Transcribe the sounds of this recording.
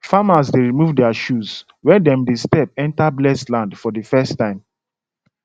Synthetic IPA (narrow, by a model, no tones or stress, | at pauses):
famasdeɹimuvdɛaʃuz | wɛ̃ndɛ̃mdestɛp̚ɛ̃ntablɛslãndfɔdəfɛstːãɪ̃m